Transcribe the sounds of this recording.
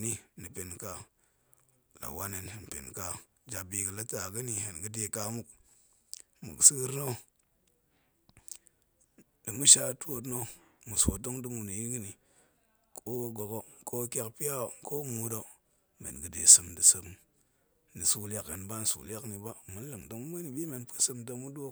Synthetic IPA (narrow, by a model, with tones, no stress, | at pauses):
ni˦ni˨pe˨nka˨ | la̰˨wa˦ne˨ne˨n˨pḛ˨nka˨ | d͡ʒa˨bi˨ɡə˨la˦ta˨ɡə˦ni˨he˨nɡə˦de˨ka˨mu˦k | mṵ˨ksi˦ɡɨ˦ɾno˦ | də˨mu˦ʃa˦to˦t̬no˦mu˨so˨do˦ŋdɨ˦mu˨ni˨ji˦ɡi˦ni˨ | kʰo˦ɡo˨ɡo˦ko˦kʲa˦kpi˦ja˦o˨ko˦mu˦do˦ | mḛ˨nɡə˦dḛ˨sɨ˨mdi˨sɨ˦m | di˨su˨la˦kːe˨nba˦n˦sṵ˨la˦kni˨ba˦mu˦n˦lɨ˨ŋdo˦ŋ˦mə˦ni˨bi˦me˨npə̥˦sɨ˦mda˦mu˦do˦